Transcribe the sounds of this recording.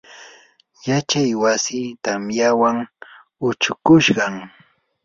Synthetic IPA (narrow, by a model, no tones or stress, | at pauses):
jat͡ʃajwasiːt̪amjawaŋ | ʊt͡ʃʊkʊʃɢɑŋ